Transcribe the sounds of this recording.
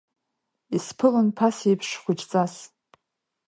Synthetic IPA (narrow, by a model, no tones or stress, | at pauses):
ispʰɨlɨnpʰasejpʰʂχʷʊt͡ʃt͡sʼas